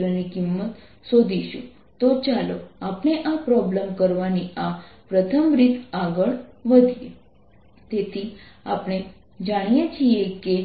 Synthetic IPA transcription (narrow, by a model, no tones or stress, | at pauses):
ɾənikimːət̪ | sod̪ʱiʃṵ̃ | t̪ot͡ʃaloapɳ̃eʔapɾɔblemkəɾʋaniapɾət̪ʰəmɾit̪aɡəɭʋəd̪ʱije | t̪et̪ʰia̰pɽ̃e | d͡ʒaɽ̃ijet͡ʃʰieke